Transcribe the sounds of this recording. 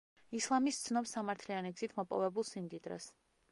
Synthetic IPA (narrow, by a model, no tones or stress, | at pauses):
islˠamist̪sʰnɔpsamaɾt̪ʰlianiɡz̥it̪ʰmɔpʼɔ̰vɛbulˠsimd̪id̪ɾɛ̰s